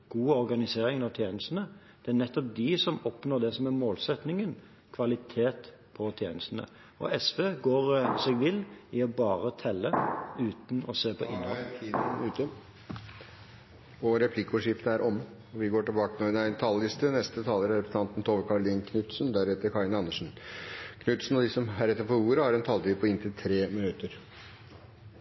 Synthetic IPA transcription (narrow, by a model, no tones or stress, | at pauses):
ɡ̥uːəɔɾɡɑnɪseːɾɪŋnɑʋt̪ʰjeːnəst̪n̩ə | d̪̥ɛænɛt̪ːɔp̚d̪ɪsɔmɔpnoːd̪ɛsɔmæmoːlsɛt̪nɪŋən | kʰʋɑlɪt̪ʰeːt̪ | pʰɔt̪ʰjeːnəst̪n̩ə̰ | ɔ̰ɛsʋeːɡoːɾsɛɡʋɪlɪɔbɑːɾət̪ʰɛlːəʉːt̪n̩ɔ̰seːpʰɔ̰ʔɪ̰nːhɔlʰiːd̪ʉːt̪ɔ | ɔɾɛpʰlɪkːuʂɪft̪əæɾʔɔmː | ɔʋɪɡoːʈɪlbɑːkənoːnæɪnt̪ʰɑlːɪst̪ənɛst̪ət̪ʰɑːləɾæɾɛpɾsn̩ɑnt̪n̩t̪ʰoːʋəɾkʰɑɾɭiːnkʰnʉt̪snd̪æɾɛt̪ːəɾkʰɑɪnəɑnːəʂn̩kʰnʉt̪sn̩ɑd̪ɪsɔmɦæɾɛt̪ːəɾpɔɾuːɾəhɑɾɛnt̪ʰɑlt̪iːpʰɔɪnt̪ʰɪlt̪ʰɾeːmɪnʉt̪əɾ